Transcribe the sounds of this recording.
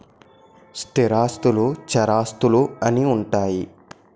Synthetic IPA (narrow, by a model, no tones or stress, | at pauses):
st̪iɾaːst̪uluːt͡ʃɐɾaːst̪uluɐniuɳʈaːji